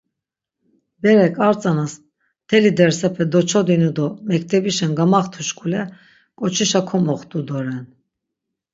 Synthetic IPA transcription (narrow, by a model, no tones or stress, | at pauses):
bɛɾɛkʼaɾt͡sʼanas | t̪ʰɛlid̪ɛɾsɛpʰɛd̪ɔt͡ʃʰɔd̪inud̪ɔmɛkʰt̪ʰɛbiʃɛnɡamaχt̪ʰuʃkʰʼulɛ | kʼɔt͡ʃʰiʃakʰɔmɔχt̪ʼud̪ɔɾɛn